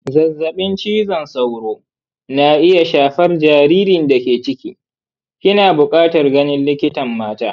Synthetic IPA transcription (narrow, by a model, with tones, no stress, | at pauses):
zɐ˨zːɐ˨ɓɪ˦nt͡ʃiː˦zɐ˨nsɐ˨wɾoː˦ | naː˨ʔɪ˦ja˨ʃaː˨ɸɐ˦rd͡ʒaː˨ɾiː˦ɾɪ˨nda˨kʲeː˨t͡ʃɪ˦kʲḭː˦ | kʲʼɪ˦naː˨bʊ˨kʼaː˦tɐ˨rɡɐ˦nɪ˦nlɪ˦kʲɪ˦tɐ˨mːaː˦taː˦